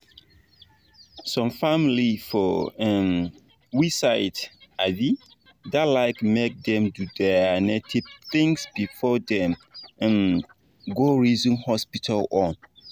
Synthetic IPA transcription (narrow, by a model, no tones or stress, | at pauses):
sɔ̃mfamlifɔɛm | wisaɪtadi | dalaɪkmek̚d̪ɛ̃mdudɛnetʰivθĩŋsbifɔdɛ̃mm | ɡoɹizĩnhɔspitʰalɔ̃n